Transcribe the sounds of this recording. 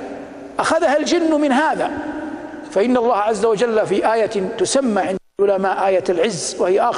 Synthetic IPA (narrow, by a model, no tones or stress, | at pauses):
ʔaxaðahald͡ʒɪnːmɪnɦaːða | faʔɪnːalˤːɑːhʕazːawad͡ʒalːafiʔaːjat̪ʊsamːaʕɪn | ʊlamaːʔaːjaalʕɪzːwahɪjaʔaː